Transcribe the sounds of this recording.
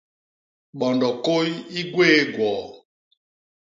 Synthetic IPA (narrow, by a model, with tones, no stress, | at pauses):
ɓɔ˨ndɔ˨ko˦ji˦ɡweː˦ɡwɔː˨